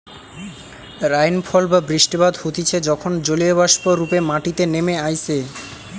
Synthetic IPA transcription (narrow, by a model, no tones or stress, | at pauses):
ɾajnfʰɔlbabɾiʃʈibad̪hot̪it͡ɕʰed͡ʑɔkʰond͡ʑolioβaʃpoɾupemaʈit̪enemeajse